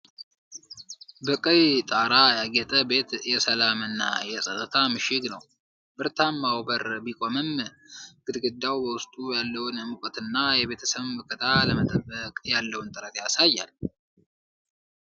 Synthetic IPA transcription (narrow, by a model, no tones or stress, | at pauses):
bɨkʼəjt̪ʼaɾajaɡɛt̪ʼəbe̞t̪jɛsəlamɨnːa̰jɛsʼət̪ʼət̪ʰamɨʃɪɡnəw | b̥ɨɾt̪ʰamːawbəɾbikʼo̞mɨm | ɡ̥ɨd̪ɡɨd̪ːawbəwʊst̪ʼujalːəwnmɨkʼət̪ɨnːajɛβe̞t̪ʰə̥səβɨkʰʼɨt̪ʰaləmət̪ʼəbːəkʼjalːəwnt̪ʼɨɾət̪jasajːa̰l